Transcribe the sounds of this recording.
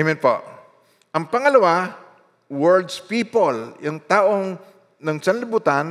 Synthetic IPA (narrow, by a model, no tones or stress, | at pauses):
mɪnpo̰ | ʔɐŋpɐŋɐlɐwa | wɛɹd̪spiːpoljʊŋt̪aːʔoŋ | nɐŋsɐnlɪbuːt̪ɐn